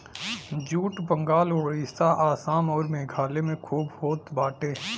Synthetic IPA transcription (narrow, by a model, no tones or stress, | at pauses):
d͡ʒuːʈbə̃ŋɡaːloːɽist̪aʔaːsaːmɔːɾmeːɡʱaːlemẽkʰuːbhoːt̪baːʈeː